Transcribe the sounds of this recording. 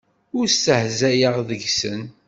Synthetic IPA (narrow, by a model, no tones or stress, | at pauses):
ʊɾsəhzæjəʁðəʝsə̰n